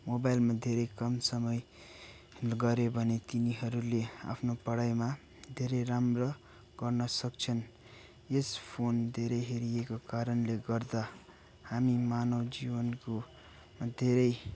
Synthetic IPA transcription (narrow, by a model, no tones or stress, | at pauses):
mobajlmad̪ʱeɾʌjkʌmsʌmʌj | ɡʌɾobʱʌnet̪iniɦʌɾulea̰pʰnopʌɽajma | d̪ʱeɾʌjɾamrʌ | ɡ̥ʌrnʌsʌk̚t͡sʰʌn | espʰond̪ʱeɾʌjɦeɾijekokaɾʌnleɡʌrd̪a | hamimanʌwd͡zibʌnko | d̪ʱeɾʌj